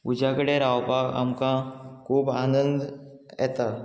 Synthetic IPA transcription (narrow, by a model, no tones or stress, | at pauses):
ʊd͡ʒakəɽeɾaːʋpaːɡə̰mkakʰuːbaːnə̃nd̪ | ɛ̰ːt̪aː